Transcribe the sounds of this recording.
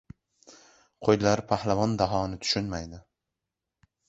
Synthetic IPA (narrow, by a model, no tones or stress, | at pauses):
qʰojlaɾpʰahlavɒnd̪aɦɒnɪt̪ʰʊ̥ʃʊnmajd̪ɪ